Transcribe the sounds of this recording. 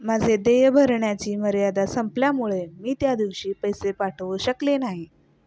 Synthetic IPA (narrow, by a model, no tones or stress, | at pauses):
mad͡zʱed̪ejbʱəɾɳjat͡ɕiːməɾjad̪asəmpljamuɭemiːt̪jad̪iʋɕiːpəjsepaʈʰʋəɕəklenaɦi